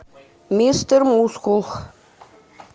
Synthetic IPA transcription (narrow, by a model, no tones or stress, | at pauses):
mʲist̪ərmuskulˠχ